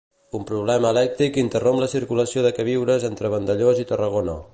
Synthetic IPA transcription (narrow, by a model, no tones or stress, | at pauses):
umpɾuβ̞lɛməːlɛk̚t̪ɾikint̪ərompləsiɾkuləsioðəkəβ̞iwɾəzent̪ɾəβ̞ənd̪əʎozit̪ərəɣono̰